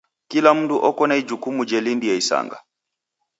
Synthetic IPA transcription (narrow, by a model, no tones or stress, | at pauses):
kilam̩duʔɔkɔnaid͡ʒukumud͡ʒɛlindijɛisa̰ŋɡa̰